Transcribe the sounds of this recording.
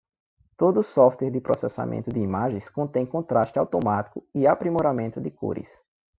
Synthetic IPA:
t̪od̪ʊːsɔft̪wɛɾd̪ɪpɾɔsɛsa̰mʔḛ̃nt̪ʊd̪ɪimaʒẽj̃skõt̪ẽj̃kõt̪ɾaʃt̪ɪawt̪omat̪i̥kʊɪapɾimoɾamẽnt̪ʊd̪ɪkṵɾɪ̰s

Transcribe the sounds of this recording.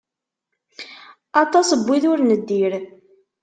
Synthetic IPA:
ɑt̪ˤɑsəbʷːiðʊɾnəd̪ːiɾ

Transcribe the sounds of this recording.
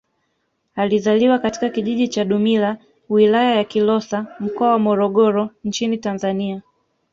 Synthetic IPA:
alizaliwakati̥kakiʄiʄit͡ʃaɗumila | wilajajakilɔsam̩kɔawamɔɾɔɠɔɾɔɲt͡ʃinitanzania

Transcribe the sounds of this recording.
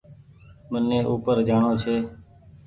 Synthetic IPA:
mənːẽːʔuːpəɾd͡ʒaːɳoːt͡ʃʰeː

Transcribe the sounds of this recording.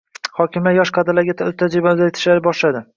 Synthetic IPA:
hɒkʲʰɪmlajɒʃqʰɑd̪alaɡʲat̪ʰʊt̪ʰːad͡ʒɪbad̪ajɪt̪ʰɪ̥ʃlaɾɪbɒʃlad̪ɪ

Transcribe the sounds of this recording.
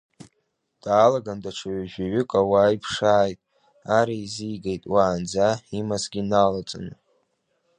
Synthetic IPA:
d̥aːlaɡandaʈ͡ʂʷʰaɥaʒᶣaɥʏkʷʼawaipʰʂaːjtʼ | aɾaizijɡejtʼwaːnd͡zaimasɡʲinalat͡sʼa̰nɨ

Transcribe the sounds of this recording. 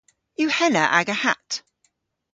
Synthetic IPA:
jəhɛnəʔa̰ɡəha̰t

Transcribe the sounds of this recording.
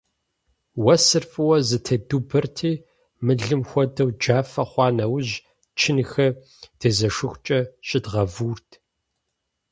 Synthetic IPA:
wɐsɨrfʼɨwɐzɨtʰɐdubɨrtʰiː | mɨɮɨmxʷɔdɐwd͡ʒaːfɐχʷɑːnɐwʑ | t͡ʃʰɪnxɐ | d̥ʰezɐʂɨxʷt͡ʃʼɐɕʼɪdʁɐvuːrtʰ

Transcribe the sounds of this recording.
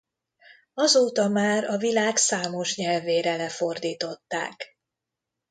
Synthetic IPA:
ɒzoːt̪ɒmaːɾɒvilaːksaːmo̞ʃɲɛlveːɾɛlɛfo̞rd̪iːt̪o̞t̪ːa̰ːk

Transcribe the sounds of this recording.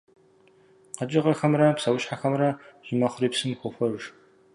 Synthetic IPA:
qɐt͡ʃʼɪʁɐxɐmrɐpsɐwʊɕħaxɐmrɐʒɪmɐχʷʊriːpsɨmxʷʊxʷɔʒ

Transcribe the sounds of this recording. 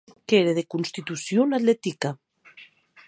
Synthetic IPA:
keɾeðekunst̪it̪usjonaðlet̪ika

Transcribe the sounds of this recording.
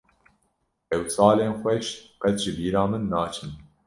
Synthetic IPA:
ɛwsɑːleːnxʷɛʃqɛt̪ʒɨbiːɾɑːmɨnːɑːt͡ʃʰɨn

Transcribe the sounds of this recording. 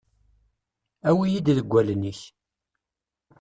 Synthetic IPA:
æwijid̪ðəɡʷːæləniç

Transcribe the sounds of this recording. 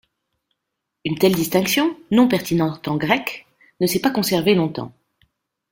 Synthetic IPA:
ynt̪ɛld̪ist̪ɛ̃ksjɔ̃nɔ̃pɛʁt̪inɑ̃t̪ɑ̃ɡʁɛk | nəsɛpakɔ̃sɛʁvelɔ̃t̪ɑ̰̃

